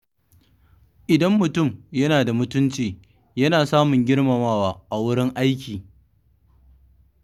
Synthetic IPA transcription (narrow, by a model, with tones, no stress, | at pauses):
ʔɪ˨dɐ˦mːʊ˨tʊ˦˨mjɐ˦naː˨da˨mʊ˦tʊ˦nt͡ʃiː˨ | jɐ˦naː˨saː˦mʊ˨ŋɡʲɪ˦ɽmɐ˨maː˦waː˦ʔa˨wʊ˦ɽɪ˦ŋʔa˦jkʲiː˨